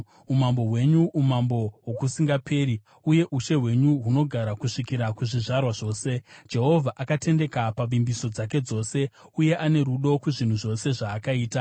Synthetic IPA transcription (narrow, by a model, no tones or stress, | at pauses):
umambo̞ɦwe̞ɲuʔumambo̞wokusiŋɡapeːɾi | uje̞ʔuʃe̞ɦwe̞ɲuɦuno̞ɡʱaɾakuʂikiɾakuʐiʐarwaʐo̞ːse̞d͡ʒe̞ɦo̞vʱaʔakate̞nde̞kapaʋimbiso̞d͡zak̬e̞d͡zo̞ːse̞ | uje̞ʔane̞ɾuɗo̞kuʐin̤uʐo̞se̞ʐaːkaiːta